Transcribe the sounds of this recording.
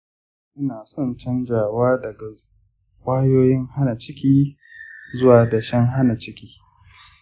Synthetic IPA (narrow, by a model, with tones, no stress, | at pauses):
ʔɪ˦naː˨sɔ˦˨nt͡ʃɐ˦nd͡ʒaː˨waː˦dɐ˨ɡa˨ | kʷaː˦joː˦jɪ˦ŋha˦na˨t͡ʃɪ˦kʲiː˦ | zʊ˦waː˨da˨ʃɛ˦ŋɦa˦na˨t͡ʃɪ˦kʲiː˦